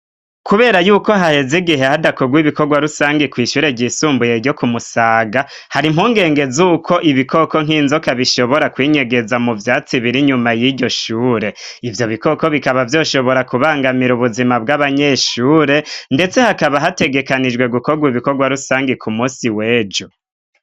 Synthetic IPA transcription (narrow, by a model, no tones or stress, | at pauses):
kuβe̞ːɾajuːko̞ɦahe̞ziɡiɦehadakoɡwiβiko̞ɡwaɾusaːŋɡekwiːʃuːɾe̞ɟiːsuːmbuje̞ɟo̞kumusaːɡa | haɾim̥huːŋɡe̞ːŋɡe̞zuːkʰo̞ʔiβikʰo̞ko̞ŋ̥iːnzokaβiʃo̞βo̞ɾakwiːɲe̞ɡe̞zamuvjaːt͡siβiɾiɲumajiɟo̞ʃuːɾe̞ivjo̞βiko̞ko̞βikaβavjo̞ːʃo̞βo̞ɾakuβaːŋɡamiɾuβuzimabɡaβaɲe̞ʃuːɾe̞nde̞t͡se̞hakaβaɦate̞ɡe̞kanid͡ʒɡwe̞ɡuko̞ɡwiβiko̞ɡwaɾusaːŋɡekʰumuːsiweːd͡ʒo